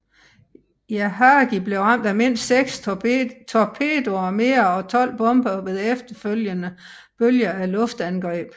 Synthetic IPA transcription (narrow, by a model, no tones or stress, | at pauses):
jæɦɑːɡ̥ib̥le̝ʊʁɑ̈m̰d̥æme̝n̰sːeɡ̥st͡sʰɒpʰe̝̰ːd̥o̝ɐme̝ːɐɒ̽t͡sʰɒ̽l̰b̥ɔ̽mb̥ɐʋe̝ðˠefd̥ɐføljənə | b̥øljɐælɔ̽fd̥ænɡ̥ʁɛ̰ːb̥